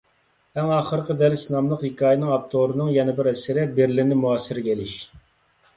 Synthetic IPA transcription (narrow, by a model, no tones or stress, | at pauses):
æŋɑːχəɾqʰəd̪æɾsnɑmlˠəqhikʰɑːjɪnɨŋɑp̚t̪ʰoɾɨnɨŋjɛnɪbɪɾɛsɪɾɪbeɾlɪnɪmuɑsːɪɾɪkʲelɪʃ